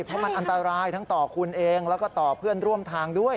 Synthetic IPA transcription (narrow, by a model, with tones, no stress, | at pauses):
pʰɔ˦˥ma˧nʔa˧nt̪a˧ɾaː˧jt̪ʰa˦˥ŋt̪ɔː˨˩kʰu˧nʔeː˧ŋlɛː˦˥kɔː˥˩t̪ɔː˨˩pʰɯ˥˩ənɾu˥˩əmt̪ʰaː˧ŋdu˥˩əj